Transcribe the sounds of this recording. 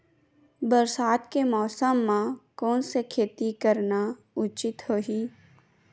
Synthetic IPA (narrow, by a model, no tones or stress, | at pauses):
bəɾsaːt̪kemɔːsəmːãkoːnsekʰeːt̪ikəɾna | ʊt͡ʃɪt̪hoːɦiː